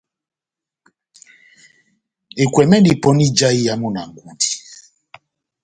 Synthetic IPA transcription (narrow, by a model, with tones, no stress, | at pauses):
e˨kʷwɛ˨mɛ˦ndi˨pɔ˨˦ni˦d͡ʒa˦i˦ja˦mu˦na̰˨ŋ˨ɡu˨di̥˨